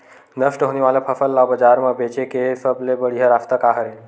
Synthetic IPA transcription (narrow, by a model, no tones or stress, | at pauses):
nəʂʈəɦoniʋaləpʰəfəlːabəd͡ʒaɾməbet͡ʃekesəblebəɽiɦəɾaft̪əkaɦəɾe